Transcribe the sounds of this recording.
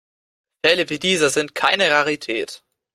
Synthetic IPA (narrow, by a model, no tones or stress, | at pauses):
fɛləvidiːzɐzɪnt̚kʰaɪnəʁaʁitʰɛ̰ːt